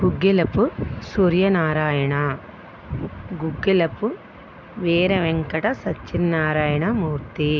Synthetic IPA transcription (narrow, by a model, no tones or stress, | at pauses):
ɡ̥uɡːilɐpusuːɾjɐnaːɾaːjɐɳɐ | ɡuɡːilɐpu | ʋeːɾɐʋeŋkɐʈɐsɐt͡ʃːinːaːɾaːjɐɳɐmuːɾt̪i